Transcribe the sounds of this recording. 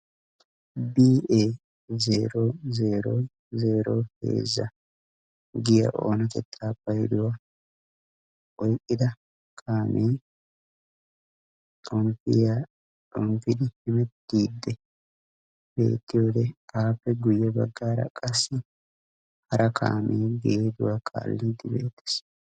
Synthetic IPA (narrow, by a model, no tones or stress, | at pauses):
biːʔeː | zeːɾoːze̞ːɾoː | ze̞ːɾoːhe̞̰ːzːɐ̰ | ɡɪjɐ̰ʔo̞̰ːnɐkɛt̪ʰːaːpːɐjɪd̪ʊwa | ʔɔjkʼːɪd̪ɐ | kʰaːmʔeː | t̪ʼɔmpɪja | tʼɔmpɪd̪ɪhɛmɛt̪ːiːd̪ːɛ | be̞̰ːt̪ːɪjo̞ːd̪ɛaːpːɛɡʊjːɛbɐ̰ɡːaːɾɐ̰kʼɐsːɪ | hɐɾʔɐkʰa̰ːmʔeːɡeːd̪ʊwakʰa̰ːlːiːd̪ɪbe̞̰ːt̪ːɪ̥s